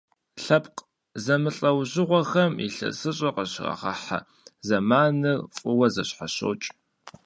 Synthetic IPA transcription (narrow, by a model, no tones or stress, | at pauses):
ɬɐpqʼ | zɐmɨɬʼɐwʑɪʁʷɔxɐmḭɬɐ̰sɨɕʼɐqəɕrɐ̰χɐ̰ħa̰ | zɐmaːnɨrfʼʊwɐzɐɕħaɕo̰ːt͡ʃʼ